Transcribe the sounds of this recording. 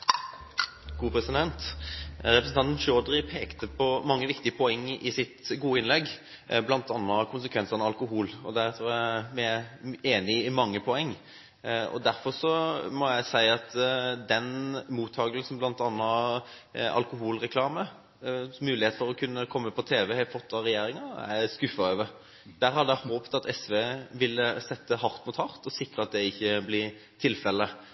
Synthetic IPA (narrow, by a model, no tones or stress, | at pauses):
ɡ̥uːpɾɛsɪd̪ɛnt̪ɾɛpɾsn̩t̪ɑnt̪nʃøɔd̪ʁɪpʰeːkt̪əpʰɔmɑŋːəʋɪkt̪ɪəpʰɔɛŋːɪsɪt̪ɡuːəɪnlɛɡ | blɑnt̪ɑnːəkʰʊnsəkʰʋɛnsəʁnəɑlkʊɦuːlɔd̪æɾt̪ʰɾuːæmeːnɪɪmɑŋːəpʰɔɛŋː | ɔ̰d̪æɾfɔʁsɔmɔjæɪsæɪɑt̪d̪ɛnmuːt̪ʰːɑːɡəlsn̩blɑnt̪ɑnːɑ | ɑ̰lkʊɦuːlʁɛkʰlɑːmə | mʉːlɪheːt̪fɔɾɔkʰʉnːəkʰɔmːəpʰɔt̪ʰeːʋəhæɪfɔt̪ʰːɑɾɛjeːɾɪŋɑæ̰skʉfɑøːʋə | d̪̥æːɾɦɑd̪əæhoːpt̪ɑt̪ʰɛsʋeːʋɪlːəsɛt̪ːəɦɑɾt̪mʊt̪hɑʁt̪ɔsɪkɾəɑt̪̚d̪ɛɪçːəblɪ | t̪ʰɪlfɛlːə